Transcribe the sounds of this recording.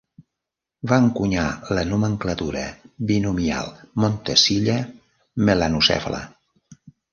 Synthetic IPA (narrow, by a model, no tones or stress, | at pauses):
βaŋkuɲa̰lənuməŋklət̪uɾəβinumia̰lˠmont̪əsiʎə | məlanusɛ̰flə̰